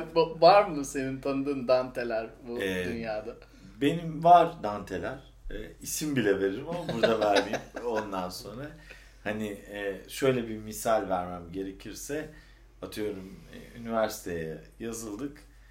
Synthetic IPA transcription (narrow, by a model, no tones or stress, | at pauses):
bvaɾmɯse̞nint̪ʰanɯd̪ɯːnd̪ant̪ʰe̞lʲæɾbud̪ynjaːd̪a | be̞nimvaɾd̪ant̪ʰelʲæɾ̥ | ɛːisimbilʲɛveɾiɾimamabuɾd̪avæɾmimo̞nd̪anso̞nɾa | haniːʃø̞jlʲɛbimisalʲvæɾmæmɟe̞ɾe̞cʰiɾsɛ | at̪ʰɯjo̞ɾum̰ynivæɾsi̥t̪ʰejɛjazɯlˠd̪ɯk